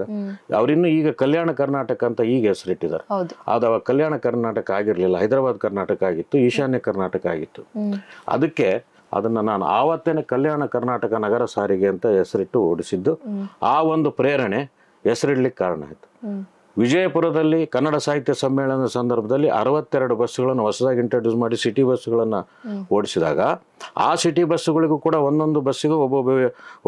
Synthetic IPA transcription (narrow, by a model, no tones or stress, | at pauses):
ɐɐ̰ʋɐɾinːuːiːɡɐkɐljaːɳɐkɐɾnaːʈɐkɐnt̪ɐiːɡɐesɐɾiʈːid̪a̰ːɾea̰ːd̪ɐʋɐkɐljaːɳɐkɐɾnaːʈɐkɐaːɡiɾlilːɐɦɐjd̪ɾaːbaːd̪kɐɾnaːʈɐkɐaːɡit̪ːuiːʃaːnjɐkɐɾnaːʈɐkɐa̰ːɡit̪ːuɐ̰d̪ɐkːe̞ | ɐ̰d̪ɐnːɐnaːnṵa̰ːʋɐt̪ːenekɐljaːɳɐkɐɾnaːʈɐkɐnɐɡɐɾɐsaːɾiɡeɐnt̪ɐesɐɾiʈːuoːɽisid̪ːuaːʋo̞nd̪upɾɛːɾɐɳe | ɛsɐɾiɽɐɭikːkaːɾɐɳa̰ːjit̪u̥ | ʋid͡ʒɐjɐpuɾɐd̪ɐlːikɐnːɐɽɐsaːɦit̪jɐsɐmːɛːɭɐnd̪ɐsɐnd̪ɐɾbʱɐd̪ɐlːiʔɐ̰ɾɐʋɐt̪ːɛɾɐɽubɐsːuɣɐɭɐnːuʋɐsɐd̪aːɡiɳʈɐɾɖjuːsmaːɽisiʈibɐsːuɡɐɭɐnːɐ | oːɽisid̪a̰ːɡɐ | a̰ːsiʈibɐsːuɡɐɭiɡuːkuːɽɐʋo̞nd̪o̞nd̪ubɐsːuɡubɐ